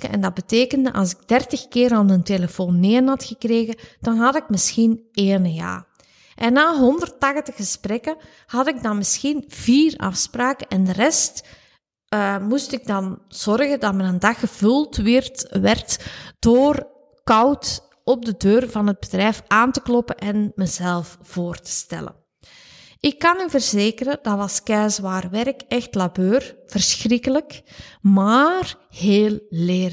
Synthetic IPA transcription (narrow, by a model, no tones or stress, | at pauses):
ɛ̰ndɑd̚bəteːkəndəʔɑ̰lˠsɪɡ̚dɛrtəxkɪːrɑnənteləfoːnːeːnɦɑtxəkreːɣəd̥ɑnɦɑtɪkmɪsxineːnəja̰ː | ʔɛnːaːɦɔndərtɑxtəxəsprɛkə | hɑtɪɡ̚dɑnmɪsxinv̥iːrɑ̰fspraːkəʔɛndərɛstː | mustɪɡ̚dɑnz̥ɔrɣədɑtmənəndɑxəvɵlˠtʋɪrtʋɛrtd̥oːr | kɑwt | ɔb̚dədøːrvɑnɦəd̚bədrɛjfaːntəklɔpənʔɛnməzɛlˠfv̥oːrtə̥stɛ̰lə̰n | ɪkːɑnyvərzeːkərədɑɑskɛːzʋaːrʋɛɾəkɛxtlabøːrv̥ərsxrɪkələkmaːr | heːlˠleːr